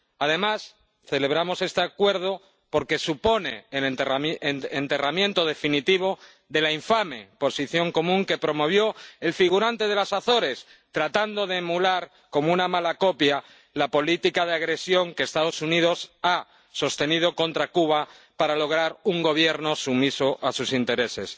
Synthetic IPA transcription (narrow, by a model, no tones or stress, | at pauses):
að̞e̞mas | θe̞le̞βɾamo̞se̞st̪eakwe̞ɾð̞o | po̞ɾke̞supo̞nelt̪eramenent̪e̞ramjẽ̞nt̪o̞ð̞e̞finit̪iβ̞o̞ | ðe̞laiɱfame̞po̞siθjo̞ŋko̞mũŋke̞pɾo̞mo̞β̞jo̞e̞lfiɣ̞uɾant̪eð̞e̞lasaθo̞ɾe̞s | t̪ɾat̪and̪o̞ð̞e̞ːmulaɾ | ko̞mounamalako̞pja | lapo̞lit̪ikaðeaɣɾe̞sjo̞ŋkeːst̪aðo̞sunið̞o̞sa | so̞st̪e̞nið̞o̞ko̞nt̪ɾakuβ̞a | paɾalo̞ɣ̞ɾaɾuŋɡo̞β̞je̞ɾno̞sumisoʔasusint̪e̞ɾe̞se̞s